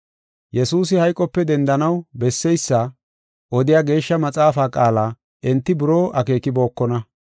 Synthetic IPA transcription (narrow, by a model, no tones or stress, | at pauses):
jɛsuːs̬ɪhɐjkʼːɔpːɛd̪ɛnd̪ɐnɐwbɛsːɛjsːɐ | ʔɔd̪ɪjaːɡe̞ːʃːɐmɐt͡sʼaːfaːkʼaːlaː | ʔɪnt̪ːɪbʊɾoːʔɐke̞ːkɪbo̞ːkːɔnɐ